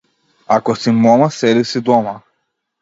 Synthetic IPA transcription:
akɔsimɔmasɛd̪isid̪ɔma

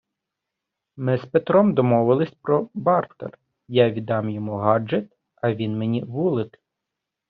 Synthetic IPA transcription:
mɪspet̪ɾɔmd̪ɔmɔʋɪlˠɪsʲpɾɔbɑrt̪ḛr | jaʋʲid̪ɑmjɔmuɦɑd͡ʒet̪ | ɐʋʲinmenʲiʋulˠɪk̪

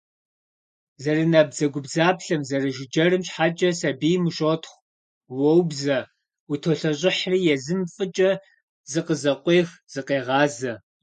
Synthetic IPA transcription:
zɐrɨnɐbzɐɡʷʊbzaːpɬɐmzɐrɨʒɪd͡ʒɐrɨmɕħat͡ʃʼɐsɐbiːmɨɕʼotʰχʷ | wɔwbzɐ | utʰoɬɐɕʼɪħriːjɛzɨmfʼɨt͡ʃʼɐ | zɨqəzɐqʷeːxz̥ɨqeːʁɑːzɐ

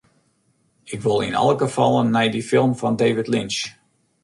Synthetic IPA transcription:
ɪkʋolˠɪ̰nɑ̰lˠəɡəfɑlˠənːɛjdifɪlˠmfɔndeːvɪtlɪnt͡ʃ

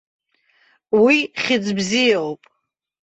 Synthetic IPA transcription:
wiχʲɪd͡zbzijawpʼ

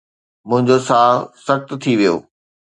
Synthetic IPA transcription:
mʊ̃ɦɪ̃ɲd͡ʑosaːsɐxt̪t̪ʰiʋijo̰ː

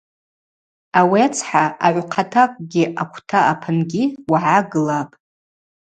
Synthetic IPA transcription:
awiat͡sʰħaaʕʷqʰatʰakʷʼɡʲiʔakʷʰtʰaapʰɨnɡʲiwaʕaɡɨlapʼ

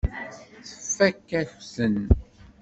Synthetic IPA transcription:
θə̥fːækːæçəsən

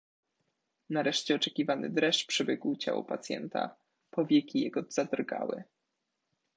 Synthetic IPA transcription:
naɾɛʂt͡ɕɛɔt͡ʂɛkʲivanɘ̰d̪ɾɛʂpʂɛbʲjɛɡwt͡ɕa̰wɔ̰pat̪sʲjɛ̰nt̪a̰ | pɔvʲjɛkʲijɛɡɔz̥ad̪rɡa̰wɘ̰

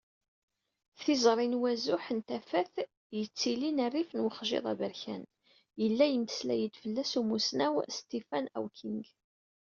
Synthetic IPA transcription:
θizɾˤinwæzʊħənt̪æfæθ | jət͡sːilinærːifnwəχʒḛðˤæ̰vəɾçæ̰n | jəlːæjəmt̪ə̥slæ̰jəd̪fəlːæsumusnæwst̪ifænæ̰wkʰinɡ

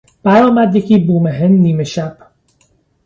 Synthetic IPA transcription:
b̥æɾɒːmæd̪jeciːbuːmeɦend̪ːiːmeʃæb̥

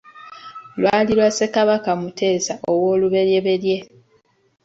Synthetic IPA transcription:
lwaːliɾwase̞kaβakamutʰe̞ːsaʔo̞wo̞ːluβe̞ɾje̞βe̞ɾje̞

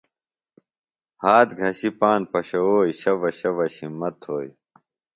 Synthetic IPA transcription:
haːt̪ɡʱɐɕipaːnpɐɕɐoːiɕɐʋɐɕɐʋɐɕimːɐt̪ʰoːi

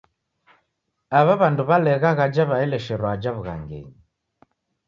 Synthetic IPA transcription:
aβaβanduβalɛɣaɣad͡ʒaβaɛlɛʃɛɾwaːd͡ʒaβuɣa̰ŋɡɛ̰ɲi

